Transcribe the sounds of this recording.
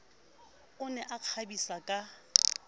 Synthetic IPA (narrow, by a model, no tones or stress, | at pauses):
ʊnɛʔaq͡χʰabisakʼa